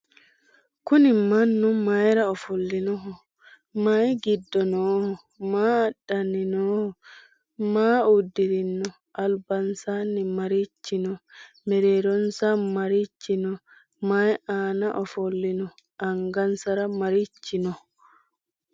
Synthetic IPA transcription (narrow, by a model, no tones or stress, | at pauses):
kʊnɪmanːʊmajɾaɔfɔlːinɔɦɔ | majɡidːɔnɔːhɔ | maːɗːaninɔːhɔ | maːudːiɾinːɔ | ʔalbansanːimaɾit͡ʃːɪnɔ | mɛɾeːɾɔnsamaɾit͡ʃːɪnɔ | majaːnaʔɔfɔlːinɔ | ʔaŋɡɐnsaɾamaɾit͡ʃːinɔ